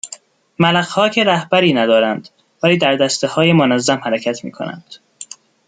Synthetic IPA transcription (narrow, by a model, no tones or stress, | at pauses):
mælæqhɒːcʰeɾæhbæɾiːnæd̪ɒːɾænd̪̥ | væliːd̪æɾd̪æst̪ehɒːjemonæzːæmhæɾecʰæt̪ʰmḭːkʰo̰næ̰nd̪̥